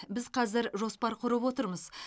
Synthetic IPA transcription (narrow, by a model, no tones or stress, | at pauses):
bɪzqʰɑzɪɾʒo̞spɑɾqʰʊɾəpwo̞t̪əɾməz